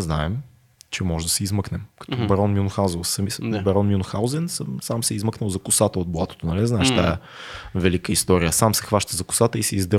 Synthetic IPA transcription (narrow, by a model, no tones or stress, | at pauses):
znaɛm | t͡ʃɛmɔʒɛd̪ɐsɛizməknɛmkɐ̥t̪ɔbɐɾɔnmʲjunʊxanzossɐmisbɛɾɔnmʲunʊxawzɛnsəmsamsɛizməknəlˠzɐkʊsat̪əod̪̚bˠat̪o̥t̪onɐlizaɛʃt̪ajə | vɛlikəist̪ɔɾijəsamsɛxvaʃt̪əzɐkʊ̥sat̪əisɛizd̪ə